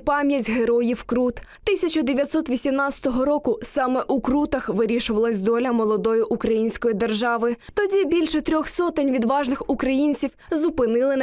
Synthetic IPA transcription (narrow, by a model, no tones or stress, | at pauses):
pɑmʲjɐtʲɦeɾɔjiwkɾut̪t̪ɪsʲɐt͡ʃɐd̪eʋʲjɐt̪ʲsɔt̪ʋʲisʲimnɑt͡ssʲɐ̥t̪ɔɦɔɾɔkʊsɑmɛʔukɾut̪ɐxʋɪɾʲiʃʊʋɐlˠɐsʲd̪ɔlʲɐmɔlˠɔd̪ɔjʊʔukɾɐjinʲsʲkɔjid̪erʒɑʋɪt̪ɔdʲibʲilʲʃɛt̪ɾʲɔxsɔt̪ɪnʲʋʲid̪ʋɑʒnɪxukɾɐjinʲt͡sʲiwzʊpɪnɪlˠɪ